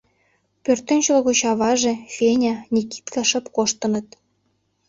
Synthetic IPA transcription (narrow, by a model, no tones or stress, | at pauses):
pørt̪ĕnʲt͡ɕɤlɣot͡ɕɑβɑʒĕfenʲɑnʲiki̥t̪kɑʃə̆pkoʃt̪ɤ̆nɤ̆t̪